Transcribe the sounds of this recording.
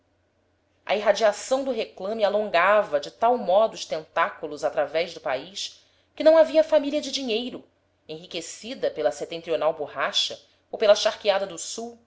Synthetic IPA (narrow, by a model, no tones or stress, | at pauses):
ʔɐ̰iɦad͡ʒiasɐ̃w̃d̪ʊɦeklɐ̃mɪalõŋɡavɐd͡ʒɪt̪awmɔd̪ʊːʃt̪ẽnt̪akulʊzat̪ɾavɛʒd̪ʊpaiʃ | kʲɪnɐ̃w̃aviɐfamiliɐd͡ʒɪd͡ʒiɲejɾʊ | ẽɦikesid̪ɐpelɐset̪ẽnt̪ɾionawbuɦaʃɐ | owpelɐʃaχkiad̪ɐd̪ʊsuw